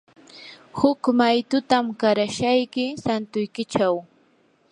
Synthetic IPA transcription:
hʊkmajt̪ʊt̪amkaɾaʃajkɪsant̪ʊjkɪt͡ʃaw

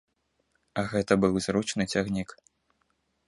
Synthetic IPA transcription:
ɐɣɛt̪ɐbɨwzɾut͡ʂnɨt͡sʲaɣnʲik

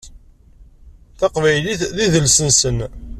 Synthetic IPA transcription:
θɑqvæjliθðiðəlsənsən

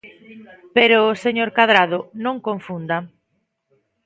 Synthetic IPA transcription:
peɾoːseɲoɾkaðɾaðʊnõŋkoɱfund̪ɐ

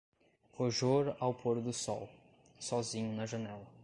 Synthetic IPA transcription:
hoʒoɾawpʰoɾd̪ʊsɔw | sɔzĩɲʊnɐʒɐnɛlɐ

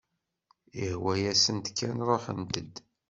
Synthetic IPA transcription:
ihwæjæsənt̪kʰːænɾˤoħə̰nt̪əd̪

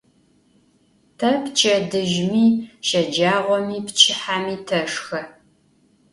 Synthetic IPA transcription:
tʰɐpt͡ʃʼɐdɨʒmiːʃɐd͡ʒaːʁʷɔmiːpt͡ʃʰɪħaːmiːtʰɐʂxɐ

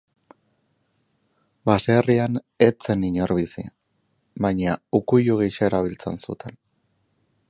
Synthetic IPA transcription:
baseːrian | e̞t͡se̞niɲoɾβisḭ | bajɲaukujuɣ̞iʃaeɾaβ̞ilt͡se̞̰nsṵt̪ʰen

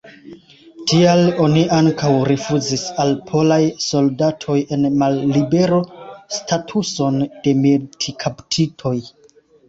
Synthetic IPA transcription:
tialo̞niʔaŋkawɾifuzisalpʰo̞lajso̞ldatʰo̞je̞nmalːibe̞ɾo̞stʰatʰuso̞nd̥e̞metʰikʰaptʰitʰo̞j

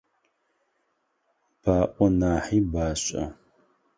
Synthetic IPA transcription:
b̥aːʔʷɔnaːħiːbaːɕʼɐ̰

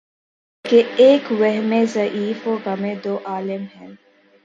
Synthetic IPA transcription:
keeːkwɛɦmẽzɐʔiːfoːɣɐmẽd̪oːʔaːlɪmɦɛ̃

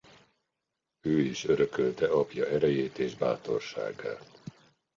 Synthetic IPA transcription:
øːiʃøɾøkølt̪ɛɒpjɒɛɾɛjeːt̪eːʒba̰ːt̪o̞̰rʃa̰ːɡːa̰ːl

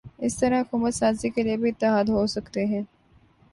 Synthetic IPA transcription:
ɪst̪ɐɾaːkumɐsaːziːkeliɐbiɪt̪ːɪɦaːd̪ɦoːsɐku̥t̪eːɦẽn

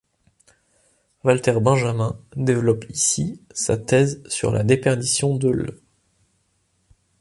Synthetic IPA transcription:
valt̪ɛʁbɛ̃ʒamɛ̃d̪evlɔpisisa̰t̪ɛzsy̰ʁlʔa̰d̪epɛʁd̪isjɔ̃d̪əlø̰

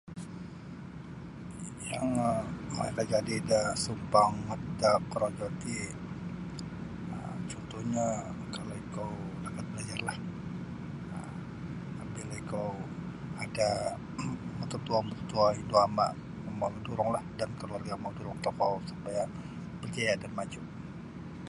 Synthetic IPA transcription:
jaŋm̰kad͡ʒadidasumpaŋat̪akəɾod͡ʒot̪i | ət͡ʃɔnt̪uhɲa | kaloikawlakat̪̚bəlad͡ʒarlah | ə | abilaikaw | ada | mət̪ut̪uamət̪ut̪uaind̪uama̰ʔ | mawduɾʊŋlahdankəluarɡamauduɾɔŋt̪ɔkɔsupaja | bərd͡ʒajadanmad͡ʒuʔ

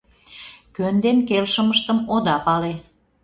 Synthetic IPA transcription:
kønd̪enkelʃəməʃt̪əmod̪ɑpɑle

